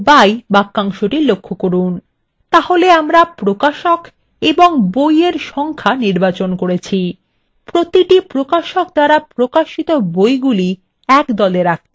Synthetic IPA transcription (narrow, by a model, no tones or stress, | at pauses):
bajbakːaŋʃoʈilokʰːokoɾun | t̪aholeamɾapɾokaʃok | eboŋbojeɾʃɔŋkʰaniɾbat͡ɕonkoɾet͡ɕʰi | pɾot̪iʈipɾokaʃokd̪aɾapɾokaʃit̪obojɡuli | ɛkd̪ɔleɾak̚ʰt̪e̥